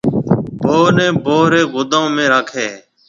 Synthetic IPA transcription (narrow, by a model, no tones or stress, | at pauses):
bʱoːnẽːbʱoːɾeːɡʊd̪õːmẽːɾaːkʰeː